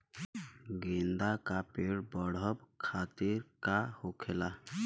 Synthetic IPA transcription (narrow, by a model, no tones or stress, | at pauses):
ɡind̪akapeɽbɔɽ̤ɔbkʰat̪iɾkahokʰela